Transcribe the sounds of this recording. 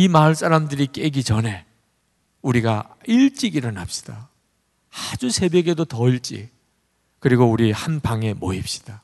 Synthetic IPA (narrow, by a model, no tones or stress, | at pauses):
imaɯɭs͈ʰaɾamdɯɾik͈e̞ɡit͡ɕʌne̞ | uɾiɡa | iɭt͡ɕ͈iɡiɾʌnap̚ɕ͈i̥d̥a | ad͡ʑusʰe̞bjʌɡe̞dotʌiɭt͡ɕ͈ḭk̚ | kɯɾiɡouɾihanbaŋe̞moip̚ɕ͈i̥d̥a